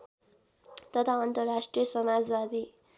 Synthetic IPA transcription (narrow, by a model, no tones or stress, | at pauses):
t̪ʌt̪ʰaʌnt̪ʌrːasʈrijʌsʌmad͡zbad̪i